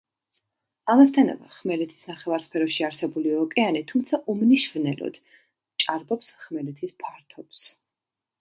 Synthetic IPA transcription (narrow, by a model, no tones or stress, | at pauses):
amast̪ʰana̰va̰χmɛlɛt̪ʰi̥snaχɛvaɾspʰɛɾɔʃiaɾsɛbuliɔkʼɛanit̪ʰumt̪sʰaʔumniʃvnɛlɔ̰d̪̥ | t͡ʃʼaɾbɔpsχmɛlɛt̪ʰispʰaɾt̪ʰɔps